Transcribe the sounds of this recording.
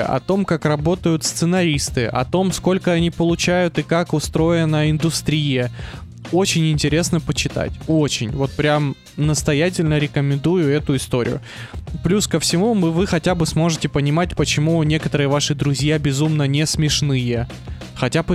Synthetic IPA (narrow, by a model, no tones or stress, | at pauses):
ʔɐ̰t̪o̞mkakrɐbo̞t̪əjʊt̪st̪sɨnɐɾʲist̪ɨʔɐ̰t̪o̞msko̞lʲkəɐnʲipəlˠʊt͡ɕæjʊt̪ɨkakʊst̪ɾo̞jɪnəɪnd̪ʊst̪ɾʲijə | o̞t͡ɕɪnʲɪnʲtʲɪɾʲe̞snəpət͡ɕɪt̪a̰tʲo̞t͡ɕɪnʲvo̞t̪̚pɾʲam | nəst̪ɐjæt̬ʲɪlʲnəɾʲɪkəmʲɪnd̪ujʊɛt̪ʊɪst̪o̞ɾʲɪ̰jʊ̰ | plʲuskəfsʲɪmumɨvɨxɐtʲabɨsmo̞ʐɨtʲɪpənʲɪmat̚ʲpət͡ɕɪmunʲe̞kət̪əɾɨjəvaʂɨd̪ɾʊzʲjabʲɪzumnənʲesmʲɪʂnɨjə | xɐtʲabɨ